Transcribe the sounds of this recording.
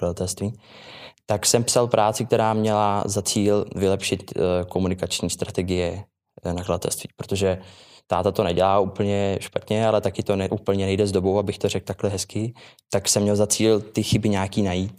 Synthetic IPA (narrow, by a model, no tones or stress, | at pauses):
kladat̪ɛlst̪viː | t̪aksɛmpsalpɾʔaːt͡sɪk̚t̪ɛɾaːmɲɛlazat͡siːlvɪlɛpʃɪt̪ko̞munɪkat͡ʃɲiːst̪ɾat̪ɛɡɪjɛ | nakladat̪ɛ̰lst̪vḭːpɾo̥t̪oʒɛt̪aːt̪at̪o̞nɛɟɛlaːuːpl̩ɲɛʃpat̪ɲɛalɛt̪akɪt̪o̞nɛʔupl̩ɲɛnɛjdɛzdo̞bo̞wabɪxt̪o̞ɾɛk̚t̪aklɛɦɛskɪt̪aksɛmːɲɛlzat͡siːlt̪ɪxɪbɪɲaːkiːnajiːt̪